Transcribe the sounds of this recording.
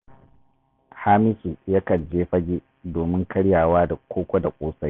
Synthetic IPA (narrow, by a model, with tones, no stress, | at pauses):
haː˦mɪ˦ʃi˨ja˦kɐ˨nd͡ʒeː˦ɸɐ˦ɡʲi˦ | doː˨mɪ˦ŋkʰɐ˦ɽjaː˨waː˦da˨kʷʰoː˦kʷɐ˦da˨kʷʼoː˦sa˦j